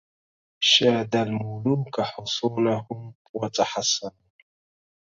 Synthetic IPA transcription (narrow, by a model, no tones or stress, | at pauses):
ʃad̪almʊlumkaħʊsuːlahʊm | wat̪ʼaħasːanu